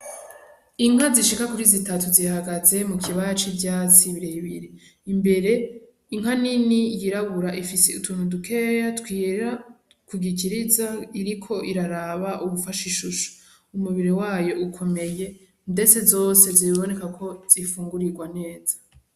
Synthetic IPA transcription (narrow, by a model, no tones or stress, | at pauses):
iŋ̥aziʃikakuɾizitatuzihaɡaze̞mukʰiβajat͡ʃibjat͡siβiɾeβiɾiː | mbe̞ɾe̞ | iŋɦaninijiɾaβuɾaʔifiseṵtʰuːnhudukʰejatkwiɾɾa | kuɡiciɾizaiɾikʰo̞ʔiɾaɾaβaʔuβufaʃiʃuʃu̥ | umuβiɾiwaːjo̞ʔukʰo̞me̞je̞ | nde̞t͡se̞zo̞ːse̞ziiβo̞ne̞kakʰo̞z̥ifuːŋɡuɾiɾɡwane̞ːz̥ḁ